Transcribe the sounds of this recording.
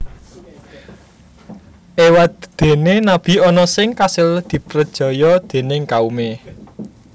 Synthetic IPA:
ʔewat̪d̪̥e̤nenab̥i̤ɔnɔsɪŋkasɪld̪̥i̤pɾəd̥ʒ̥ɔ̤jɔd̪̥e̤nɪŋkaume

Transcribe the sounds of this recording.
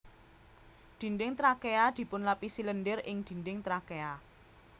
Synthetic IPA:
d̪̥i̤ndɪŋt̪ɾakead̪̥i̤pʊnlapisiləndərɪŋd̪̥i̤ndɪŋt̪ɾakea

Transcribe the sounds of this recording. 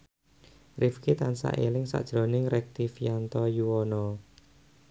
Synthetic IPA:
rifkit̪ansa̰ʔelɪŋsa̰ʔd̥ʒ̥ɾo̤nɪŋɾɛk̚t̪ifijant̪ɔjuwɔnɔ

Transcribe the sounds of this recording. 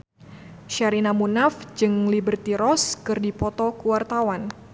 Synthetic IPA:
ʃaɾinamunafd͡ʒɨŋlibərt̪iɾɔskɨrdipɔt̪ɔkuwart̪awan

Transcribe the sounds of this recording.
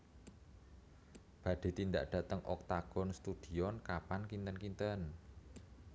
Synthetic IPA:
b̥ä̤ɖ̪̥e̤t̪ind̪aʔɖ̥ä̤t̪əŋʔɔ̰k̚t̪aɡ̥ɔ̤nst̪ud̪̥i̤ɔnkapankint̪ənkint̪ən

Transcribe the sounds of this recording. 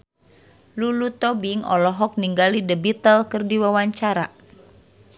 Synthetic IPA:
lulut̪ɔbiŋɔ̰lɔɦɔk̚niŋɡalidəbit̪əlkɨrdiwawaɲt͡ʃaɾa̰

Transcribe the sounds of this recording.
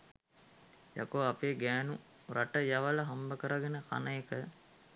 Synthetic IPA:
ja̰koapeːɡæːnu | ɾʔaʈəjaʋalɐɦambəkəɾaɡenəkʰa̰nəekə

